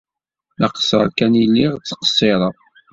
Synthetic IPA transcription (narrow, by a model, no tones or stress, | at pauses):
əqə̥səɾkænilːiʁt͡sːə̥qə̥sˤːeɾˤəðˤ